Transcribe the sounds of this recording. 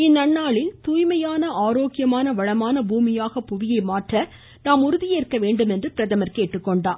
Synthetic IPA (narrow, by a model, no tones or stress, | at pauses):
ɪnːɐɳːaːɭɪlt̪uːjmɐjaːnɐʔaːɾoːkɪjɐmaːnɐʋɐɻɐmaːnɐbuːmɪjaːɣɐpʊʋɪjɐɪmaːʈrɐ | naːmʊɾʊðɪjeːɾkɐʋeːɳɖɯmɛndrɯpɪɾɐðɐmɐɾkeːʈːɯkːɔɳɖaːm